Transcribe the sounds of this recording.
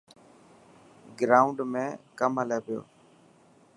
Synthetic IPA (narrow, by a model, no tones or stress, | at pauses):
ɡɾaːʊɳɖmẽːkəməleːpɪjo̰ː